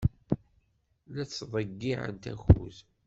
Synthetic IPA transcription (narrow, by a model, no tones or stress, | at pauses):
læt͡sːðˤəɡːiʕə̰nt̪æ̰xṵz